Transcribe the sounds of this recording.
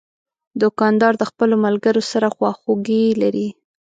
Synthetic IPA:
d̪ʊkɑnd̪ɑɾd̪əxpəlomalɡəɾosaɾaxwɑxoɡelaɾi

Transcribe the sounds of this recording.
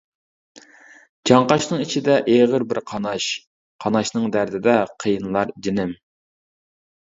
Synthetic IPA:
d͡ʒɑɴqɑʃnɨŋit͡ʃʰid̪ɛʔeʁəɾbɪɾqʰɑnɑʃ | qʰɑnɑʃnɨŋd̪æɾd̪ɪd̪ɛqʰəjɨnlˠɑɾd͡ʒinɪm

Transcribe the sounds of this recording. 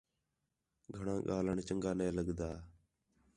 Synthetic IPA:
ɡʱəɳãːɠaːləɳt͡ʃəŋɡaːneːləɡd̪aː

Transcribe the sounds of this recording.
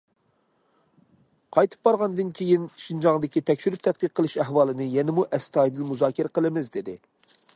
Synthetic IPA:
qʰɑjt̪ʰɨ̥p̚bɑɾʁɑnd̪ɨnkʲʰejinʃind͡ʒɑŋd̪ɪkʲit̪ʰɛkʲʃyɾyp̚t̪ʰɛt̪̚biq̚qʰːəlˠɨʃæɦwɑːlˠɨnɨjɛnɪmuʔɛst̪ɑːjd̪ɨlmuzɑːkʲʰɪɾqəlˠɨmɪzd̪ɪd̪ɪ

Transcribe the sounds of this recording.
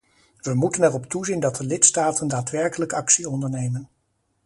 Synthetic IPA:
ʋəmutənɛrɔptuzindɑt̚dəlɪtstaːtəndaːtʋɛɹkələkɑksiɔndəɹnejmən

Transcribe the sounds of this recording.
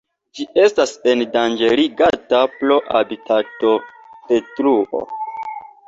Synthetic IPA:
d͡ʒie̞stase̞ndand͡ʒeliɡadaplo̞ʔabitʰato̞ | d̥e̞tɾuo̰

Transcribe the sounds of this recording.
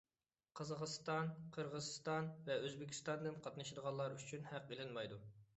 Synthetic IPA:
qʰəzɑq̪st̪ɑnqʰəɾʁəzɨst̪ɑnvɛøzbɪkʲʰi̥st̪ɑnd̪ɨnqʰɑt̪nɨʃid̪əʁɑlˠːɑɾyt͡ʃʰynhæq̚belˠɪnmɑjd̪u

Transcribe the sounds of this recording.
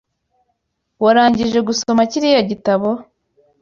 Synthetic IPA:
waɾaːɲɟiʒe̞ɡuso̞maciɾijoɟitaβo̞

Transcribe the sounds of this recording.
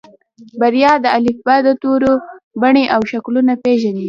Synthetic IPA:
baɾijɑd̪əalɪfbad̪ət̪oɾobaɳeʔawʃaklunapeʒani

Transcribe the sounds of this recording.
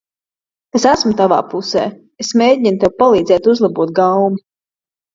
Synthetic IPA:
esæsmʊt̪ava̰ːpusɛ̰ː | esmʲeːɟʲint̪ewpalˠiːd̪zɛːt̪uzlˠabuɔt̪̚ɡawmi

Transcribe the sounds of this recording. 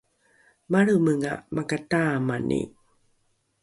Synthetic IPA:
maɭuməŋa̰makatamanʔḭ

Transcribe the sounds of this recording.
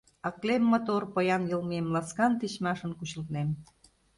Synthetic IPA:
ɑklemːŏt̪orpɤjɑnjɤ̆lmemlɑskɑnt̪it͡ɕmɑʃə̆nkut͡ɕə̆lt̪nem

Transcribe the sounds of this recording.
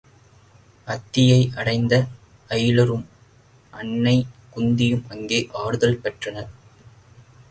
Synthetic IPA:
ɐt̪ːɪjɐɪʔɐɽɐɪnd̪ɐ | ɐjlɐɾɯm | ʔɐɳːɐɪkʊnd̪ɪjɯmɐŋɡeːʔaːɽɯðɐlpɛʈrɐnɐɾ

